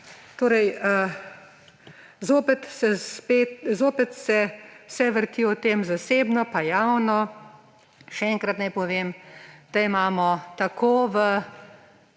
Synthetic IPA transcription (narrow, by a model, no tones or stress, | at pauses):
t̪oːɾɛjə | zoːpɛt̪sɛspet̪zoːpɛt̪sɛsɛʋəɾt̪iːɔt̪eːmzaseːbnɔpajawnɔ | ʃɛɛŋkɾat̪najpɔʋeːmd̪̥aimaːmɔt̪akʰoːʋə